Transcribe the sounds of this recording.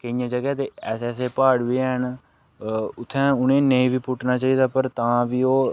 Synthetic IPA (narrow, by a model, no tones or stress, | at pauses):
kəijãːd͡ʒəɡɛːt̪eːɛːsɛːseːpaːɽʋiːɛn | ʊt̪ʰːɛ̃ːʊnẽːneĩːʋiːpʊʈʰnaːt͡ʃaːiːd̪aːpəɾt̪ãːʋiːoː